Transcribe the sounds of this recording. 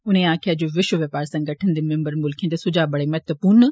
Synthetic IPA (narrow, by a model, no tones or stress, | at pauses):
ʊnẽaːkʰiad͡ʑoːʋɪʃwəʋepaːɾsɐ̃ŋɡɐʈʰənd̪emẽmbəɾmʊlkʰiə̃t̪esʊd͡ʑaːbɐɽemɛt̪əpuːn